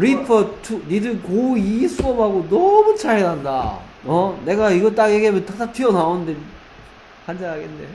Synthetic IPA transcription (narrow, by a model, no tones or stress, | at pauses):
ɾipʰʌtʰunidɯkoisʰuʌmɦaɡonʌmut͡ɕʰaɭenanda̰ | ʌne̞ɡaiɡʌt͈akeɡiɦamjʌnt͈ak̚t͈at͈ʰiʌnaonɯnde̞ | kand͡ʑanaɡende